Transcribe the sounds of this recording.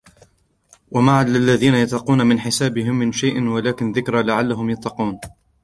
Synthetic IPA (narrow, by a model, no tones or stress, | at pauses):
wamaʕallɪlːaðiːnajɑt̪ˤːɑquːnamɪnħɪsaːbɪɦɪmːɪnʃajʔɪnwalaːkɪnðɪkɾalaʕalːaɦʊmjɑt̪ˤːɑquːn